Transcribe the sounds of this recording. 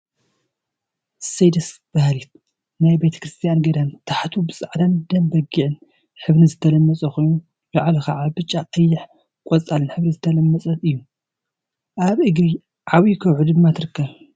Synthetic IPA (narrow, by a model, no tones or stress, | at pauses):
sejd̪ɐsb̥ahlit̪̚ | najbe̞t̪ʰɐ̥kɾɨst̪ʰijanɡɐd̪ant̪ʰaħt̪ʰubɨsʼaʕd̪and̪ɐmbɐɡiʕɨn | ħɨβnizɨt̪ʰɐlɐmːɐt͡sʼɐxojnu | lɐʕalɐxaʕabɨt͡ʃʼːaqʼɐjːɪħ | kʼɔt͡sʼalɨnħɨβnizɨt̪ʰɐlɐmːɐt͡sʼɐɨjːu | ʔaβʔɨɡɾi | ʕaβikʰɐwʕud̪ɨmːat̪ʰɨɾɨkʰːɐβ